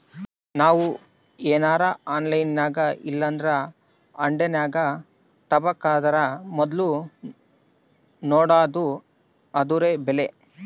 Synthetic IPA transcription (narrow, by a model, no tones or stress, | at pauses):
naːʋu | eːnaːɾɐaːnlɐjnːaːɡɐilːɐnd̪ɾɐ | ɐɳɖenaːɡɐ | t̪ɐbɐkːaːd̪ɐɾɐmɔd̪lu | nɔːɽaːd̪u | ɐd̪uɾeːbɛle